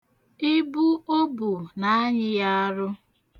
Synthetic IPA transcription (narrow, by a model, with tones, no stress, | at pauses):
ɪ˦bu˦o˦bu˨na˦a˦ɲɪ˦ja˦a˦ɾʊ˦